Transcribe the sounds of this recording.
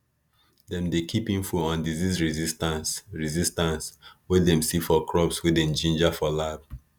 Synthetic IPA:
dɛ̃mdekʰipĩnfuɔ̃ndizizɹizistãnsɹizistãnswɛdɛ̃msifɔkʰɹɔbswidẽnd͡ʒĩnd͡ʒafɔlab

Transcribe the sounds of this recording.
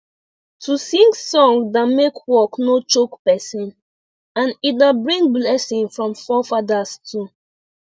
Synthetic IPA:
tʰusĩŋksɔ̃ŋdamekwɔknot͡ʃokpɛsĩn | ãnidabɹĩŋblɛsĩŋfɹɔ̃mfɔfadastʰu

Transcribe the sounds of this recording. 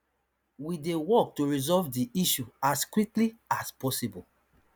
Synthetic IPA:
widewɔk̚tuɹizɔvdiiʃuaskwikliaspɔsibɔl

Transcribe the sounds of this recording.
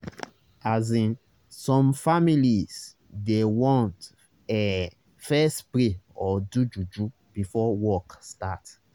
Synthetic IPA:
azĩn | sɔ̃mfamilis | dewɔ̃nt | ɛ | fɛstpɾeɔdud͡ʒud͡ʒu | b̥ifɔwɔkstat

